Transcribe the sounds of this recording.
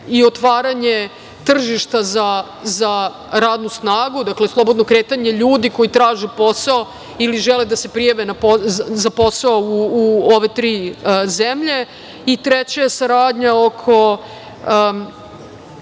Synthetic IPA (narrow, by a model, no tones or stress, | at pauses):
iot̪ʋaːɾaɲe | t̪r̩ʒiʃt̪aza | za | ɾaːd̪nusnaːɡud̪akle̞slˠo̞bod̪no̞kɾeːt̪aɲe̞ʎuːd̪iko̞jit̪ɾaːʒepo̞sao | iliʒeled̪asepɾijaʋenapozapo̞saouːoʋe̞t̪ɾiːzemʎe̞ | it̪ɾet͡ɕajesaɾaːd̪ɲaokʰo̞